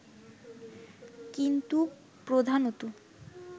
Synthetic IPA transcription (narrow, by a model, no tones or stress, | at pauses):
kint̪u | pɾod̪ʱanot̪u